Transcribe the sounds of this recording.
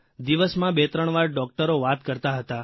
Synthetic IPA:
d̪iʋəsmãbet̪ɾəɳ̃ʋaɾɖɔk̚ʈəɾoʋat̪kəɾt̪aɦət̪a

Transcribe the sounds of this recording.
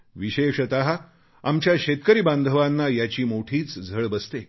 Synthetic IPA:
ʋiɕeʂət̪aɦa | amt͡ɕjaɕet̪kəɾiːband̪ʱəʋanːajat͡ɕiːmoʈʰiːt͡sd͡zʱəɭbəst̪e

